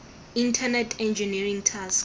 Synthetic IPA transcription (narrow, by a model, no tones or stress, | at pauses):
ĩntʰanɛtʰɛ̃nd͡ʒinirĩŋtʰask